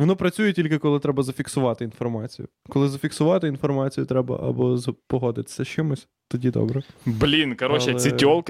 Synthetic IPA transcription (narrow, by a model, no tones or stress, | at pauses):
ʋɔnɔpɾɐt͡sʲujɛtʲilʲk̬ɪkɔlˠɪt̪ɾɛbɐzɐfʲiksʊʋɑt̪ɪinfɔrmɑt͡sʲijʊ̰kɔlˠɪzɐfʲiksʊʋɑt̪ɪin̪fɔrmɑt͡sʲijʊt̪ɾɛbɐ̰ʔɐ̰bɔzpɔɦɔd̪ɪt̪ɪ̥sʲɐʃt͡ʃɪmʊsʲ | t̪ɔdʲid̪ɔ̰bɾɛblʲinkɐɾɔt͡ʃɛsʲɪtʲɔlˠkɪ